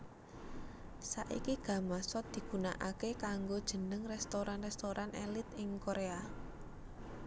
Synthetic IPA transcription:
saʔḭkiɡ̥ä̤masɔt̪̚d̪̥i̤ɡ̥unaʔakekaŋɡod̥ʒ̥ə̤nəŋrɛst̪oɾanrɛst̪oɾʔanʔelɪt̪ɪŋkoɾea

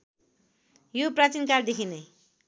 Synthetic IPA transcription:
joprat͡sinkard̪ekʰine

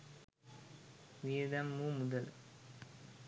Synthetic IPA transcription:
ʋiːd̪ɐmːumud̪ɐl

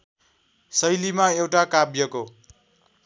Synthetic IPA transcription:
sʌjlimaewʈakabjʌko

